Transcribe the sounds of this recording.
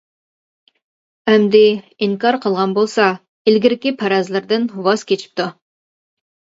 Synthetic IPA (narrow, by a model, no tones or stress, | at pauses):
ɛmd̪ɪiŋkɑɾqʰəlˠʁɑnbolˠsɑ | ilɡʲiɾɪkʲipʰæɾɑzlˠɨɾd̪ɨnwɑzkʲet͡ʃʰi̥p̚t̪ʰu